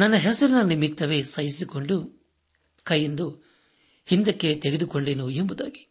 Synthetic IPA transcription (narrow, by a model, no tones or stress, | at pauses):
nɐnːɐɦɛsɐɾunɐnimit̪ːɐʋe̞sɐjisiko̞ɳɖu | kɐjːend̪u | hind̪ɐkːe̞t̪eɡed̪uko̞ɳɖeːnuembud̪a̰ːɡi̥